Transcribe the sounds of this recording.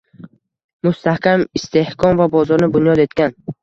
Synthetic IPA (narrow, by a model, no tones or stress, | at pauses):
mʊst̪ʰahkʲamɪst̪ʰe̞hkʰɒnvabɒzɒɾnɪbʊnjɒd̪e̞t̪kʲan